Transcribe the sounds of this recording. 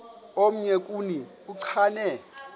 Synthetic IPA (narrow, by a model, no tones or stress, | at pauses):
om̩ɲɛkʼuni | uǀʰaːnɛ